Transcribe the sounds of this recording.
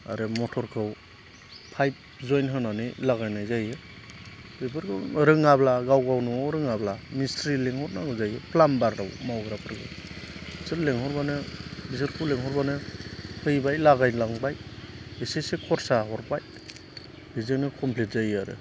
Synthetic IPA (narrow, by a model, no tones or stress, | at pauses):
a̰ɾɯmɔtʰɔɾkʰɯw | pʰajp̚ | zɔjnɦɯnanɯlaɡajnajzajɯ | bepʰɯɾɡɯɾɯŋablaɡawɡawnɔɾɯŋablamistɾileŋhɔt̚naɡɯzajɯpʰlambaɾda̰wmawɡɾapʰɯɾɡɯ̰ | sɯɾleŋhɔɾbanɯbizɯɾpʰuleŋɦɔɾbanɯhʰɯjbajlaɡajnlaŋbajesesekʰɔɾsaɦɔɾpaj | bizɯknɯkʰɔmpʰlet̚zajɯaɾɯ̰